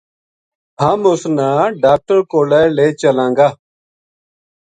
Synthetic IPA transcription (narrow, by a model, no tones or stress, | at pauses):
haːmʊsnãːɖaːk̚ʈəɾkoːlɛːleːt͡ʃəlãːŋɡaː